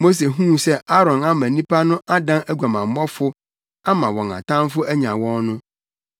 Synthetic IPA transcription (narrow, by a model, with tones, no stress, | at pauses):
mo˦s̬e˨ɦũ˦sɛ˦a˦ɾɔ̃˨na˦mã˨nĩ˦pʰa˦nʊ̃˦ʔa˦dã˦næ˦ɡʷa˨mã˨m˨˦ɔ˦fʊ˦ | a˦mã˨wɔ̃˨ŋã̰˨tʰã˦m˦fʊ˦æ˦ɲã˨wɔ̃˦nnʊ̃˦